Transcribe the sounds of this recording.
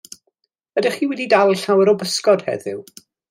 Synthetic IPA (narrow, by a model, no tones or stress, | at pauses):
ədɪχiːwɛdidalˠɬawɾɔbəskɔd̥hɛ̰ðɪ̰w